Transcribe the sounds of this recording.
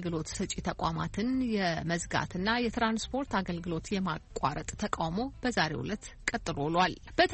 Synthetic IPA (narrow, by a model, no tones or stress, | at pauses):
lɡɨlo̞t̪sɨt͡ʃʼit̪ʰəkʼamat̪ʰɨnjɛməzɡa̰t̪ʰɨnːajɛt̪ɾanspʰo̞ɾt̪aɡəlɡɨlo̞t̪jɛmakʼa̰ɾət̪ʼt̪ʰəkʼawmo̞b̥əzaɾe̞̰wʊ̰lət̪ | kʼət̪ʼːɨɾo̞lwal | b̥ət̪ʰ